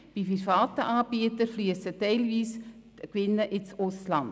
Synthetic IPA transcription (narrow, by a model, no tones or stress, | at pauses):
b̥iprifɑːtəʔɑːbiətəɾflyəsətɛɪlviːs | kʋɪnːəʔɪnsʊslɑnd